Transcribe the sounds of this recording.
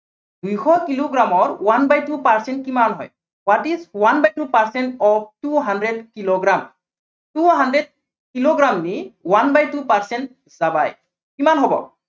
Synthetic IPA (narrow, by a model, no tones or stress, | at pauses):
d̥ujxɔkiloɡɹamɔɹwanbajtupaɹsɛnt̚kimanɦɔ̰j | watiswanbajtupaɹsɛntɔp̚tuɦandɹɛdkiloɡɹam | tuɦandɹɛd̚ | kiloɡɹamniwanbajtupaɹsɛnt | z̥abaj | kimanɦobɔ̰